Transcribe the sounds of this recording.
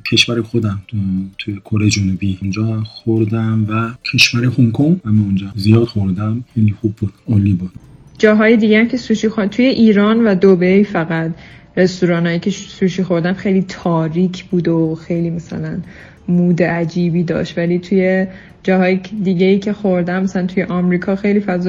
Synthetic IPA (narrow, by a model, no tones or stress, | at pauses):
cʰe̞ʃvæɾexod̪æmt̪ʰujekʰoɾejed͡ʒonubiund͡ʒɒːxoɾd̪æmvæcʰe̞ʃvæɾehuŋkʰoŋhæmeund͡ʒɒːzijɒːd̪xoɾd̪æmxejlixubbud̪̥olːibud̪̥ | d͡ʒɒːɦɒːjed̪iːɟææmcʰe̞suːʃixot̪ʰuje̞ʔiːɾɒːnvæd̪obejfæɣæt̪ɾe̞st̪uɾɒːnhɒːjicʰe̞suːʃiːxo̞ɾd̪æmxe̞jliːt̪ʰɒːɾiːcʰb̥uːd̪oxe̞jliːmæsæ̰læn | muːd̪eæd͡ʒiːbiːd̪ɒ̰ːʃt̪væliːt̪ʰuje̞ | d͡ʒɒːɦɒːjed̪iɟeiːcʰe̞xo̞ɾd̪æmːæsælænt̪ʰujeʔɒmɾiːkʰɒːxe̞jliːfæz